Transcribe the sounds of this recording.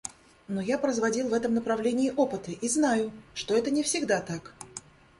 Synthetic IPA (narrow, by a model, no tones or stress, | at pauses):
nojapɾəzvɐdʲilˠvɛt̪əmnəpɾɐvlʲenʲɪːʔopɨt̪əʔiznajʊʂt̪o̞ɛt̪ənʲɪfsʲɪɡd̪at̪ak